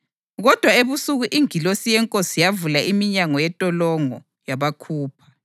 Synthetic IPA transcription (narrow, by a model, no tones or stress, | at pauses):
ɣɔd̥ʱwaeβusuɣuʔiŋilosijɛŋkʼosijavulaʔimiɲaŋɔjɛtʼɔlɔŋɔ̰ | jaβakʰuːpʰḁ